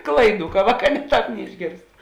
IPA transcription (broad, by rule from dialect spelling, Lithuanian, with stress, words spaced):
ˈklˠɐɪˌduː kɐ ˈʋɑːˌkɑː nʲɛ ˈtɑːp nʲɛɪʒʲˈɡʲeːrst